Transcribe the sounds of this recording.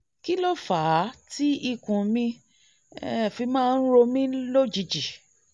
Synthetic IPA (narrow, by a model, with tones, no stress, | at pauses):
ki˦lɔ˦˨faː˨˦ti˦i˦˨kũ˨mĩ˧ | ɛ˦˨fi˧mãː˦˧n̩˦ɾo˧mĩ˦lo˦˨d͡ʒi˧d͡ʒi˨